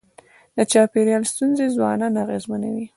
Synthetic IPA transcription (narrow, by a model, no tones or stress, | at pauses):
d̪ət͡ʃɑpeɾjɑlst̪unzezwɑnɑnaɣezmanawi